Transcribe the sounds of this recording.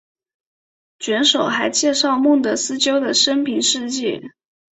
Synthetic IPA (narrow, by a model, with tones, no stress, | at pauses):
t͡ɕɥɛ˧˥nʂo˨˩ʊxa˧˥ɪt͡ɕjɛ˥˧ʂɑ˥˧ʊmu˥˩ŋt̪ɤ˧˥sɹ̩˥t͡ɕjo˥ʊd̪ə˨ʂə˥npʰi˧˥nʂɻ̩˥˧t͡ɕjɛ˥˩